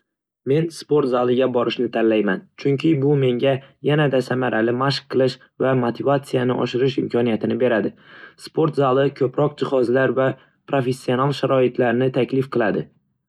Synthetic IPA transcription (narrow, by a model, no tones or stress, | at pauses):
me̞nspo̞ɾt̪zalˠɪɡʲabɒɾɪʃnɪt̪ʰanlajmant͡ʃʰʊŋkʲʰɪbʊme̞ŋɡʲajanad̪asamaɾʔalɪmaʃq̚qʰːɨlˠɪʃ | vamot̪ʰɪvat̪sijanɪʔɒ̰ʃɪɾɪʃɪmkʲʰɒnijat̪ʰɪnɪbe̞ɾad̪ɪspʰo̞ɾt̪zalˠɪkʲʰɵpɾɒq̚d͡ʒɪhɒzlaɾva | pʰɾofe̞sːio̞nalˠʃaɾɒɪt̪ʰlaɾnɪt̪ʰakʲlɪfqʰɨlˠad̪ɪ